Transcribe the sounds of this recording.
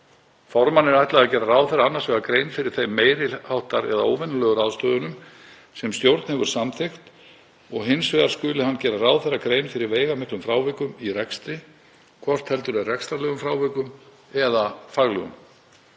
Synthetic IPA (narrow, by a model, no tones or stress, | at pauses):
fɔɾmanːɛɾajht̪laɣðacɛːɾaraːwθɛɾaanːaɾ̥svɛɣakɾeːjnfɪɾɪɾ̥θejmeːjɾɪlhawht̪aɾɛðao̰ːwvɛnʏlœːɣʏɾaðst̪œːðʏnʏm | sɛmst̪jowɾt̪nhɛvʏɾ̥samθʰext̪ | ɔɣɦɪnsvɛðaɾ̥skʏːlɪhanːcɛːɾaraːwðθɛrakɾeːjnfɪɾɪɾveːjɣamɪklʏmfɾaːwvɛkʏmirɛkst̪ɾɪ | kʰvɔr̥t̪hɛlt̪ʏɾɛrɛkst̪ɾaɾlɛːɣʏmfɾaːwvɛkʏm | ɛðafaɣlɛɣʏ̰m